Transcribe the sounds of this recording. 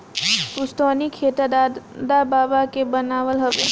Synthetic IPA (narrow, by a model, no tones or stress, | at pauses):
pʊst̪oːnikʰeːt̪ad̪abaːbakebənaːʋəlɦəʋe